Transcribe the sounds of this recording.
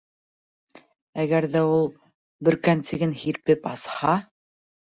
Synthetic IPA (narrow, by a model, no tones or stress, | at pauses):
æɣæɾðæulˠ | bɵ̆ɾkænsɘ̆ɡɘnhiɾpɘpɑshɑ